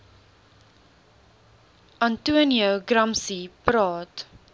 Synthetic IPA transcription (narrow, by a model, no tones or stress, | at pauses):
ɐntuəniəɡɾɐmsipɾɑːt